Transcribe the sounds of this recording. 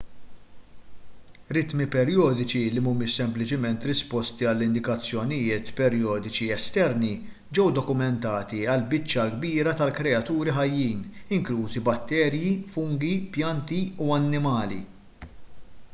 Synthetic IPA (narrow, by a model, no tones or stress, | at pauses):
ɾɪt̪mipɛɾjɔːd̪ɪt͡ʃilimuːmɪʃsɛmplɪt͡ʃɪmɛnt̪ɾɪspɔst̪iɐlːɪnd̪ɪkɐt͡sːjɔnɪjɪːt̪pɛɾjɔːd̪ɪt͡ʃiɛst̪ɛɾni | d͡ʒɛwd̪ɔkʊmɛnt̪ɐːt̪iɐlbɪt͡ʃːɐlɡbiːɾɐt̪ɐlkɾɛɐt̪uːɾiħɐjːiːnɪŋkluːzibɐt̪ːɛːɾjifʊŋɡipjɐnt̪iuɐnːɪmɐːlḭ